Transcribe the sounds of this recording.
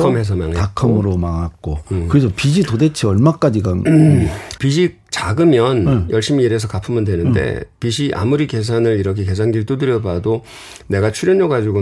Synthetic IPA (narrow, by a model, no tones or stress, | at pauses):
kʰʌmɦes̬ʰʌma̰ŋakʰɯmɯɾomaŋak̚k͈oɯɾesʰʌpiɕʰitode̞t͡ɕʰeʌɭmak͈ad͡ʑiɡa | piɕʰi | t͡ɕaɡɯmjʌnjʌɭɕ͈imiiɾe̞s̬ʰʌkapʰɯmɯndwe̞nɯnde̞̰piɕ̬ʰiʔa̰muɾike̞s̬ʰanɯɾiɾʌkʰe̞ke̞s̬ʰanɡiɭt͈udɯɾjʌbado | ne̞ɡat͡ɕʰuɾjʌɲʌɡad͡ʑiɡo